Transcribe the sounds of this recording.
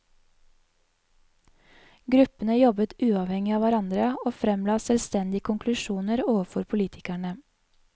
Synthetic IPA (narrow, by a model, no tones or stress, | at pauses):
ɡɾʉpənəjɔbət̪ʉːɑːʋhɛŋɪɑːʋæɾɑnd̪ɾəoːfɾɛmlɑːsɛlst̪ɛnd̪ɪkʰʊŋklʉʃuːnəɾoːʋəfɔɾpʰʊliːt̪ʰɪ̥kæɳə